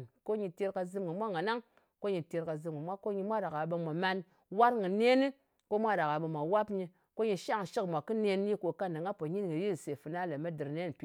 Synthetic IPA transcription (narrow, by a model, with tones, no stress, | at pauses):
ko˦ɲi˧te˧ɾka˧zɨ˧˦mŋɨ˨mʷa˦ŋa˨na˦ŋ | ko˦ɲi˧te˧ɾka˧zɨ˧m˨ɡɨ˨mʷa˦ko˦ɲi˧mʷa˦ɾa˨ka˨ɓə˧mʷa˨ma˧n | wa˦ɾŋɨ˨ne˦ni˦ | ko˦mʷa˦ɾa˨ka˨ɓə˧mʷa˨wa˦pɲi˧ | ko˦ɲi˧ʃa˦˨ŋ˨ʃi˦kmʷ˨a˨kːɨ˦ne˧nː˦i˦ko˨ka˦nda˨ŋa˦po˨ɲi˦nŋɨ˨ji˦˨se˨fɨ˨na˦le˨ma˦dɨ˨ɾne˦˨pi˦